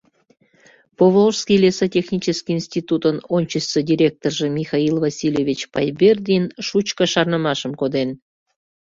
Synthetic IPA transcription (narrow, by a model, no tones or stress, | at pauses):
povorskʲilʲesotʲexnʲit͡ɕəskʲiinsʲt̪ʲit̪ut̪ənonʲt͡ɕəst͡sːədʲiɾʲek̚t̪orʒĕmʲixɑilvɑsʲilʲevʲit͡ɕpɑ̰jbʲerd̪ʲinʃut͡ɕkə̆ʃɑrnəmɑʃəmkod̪en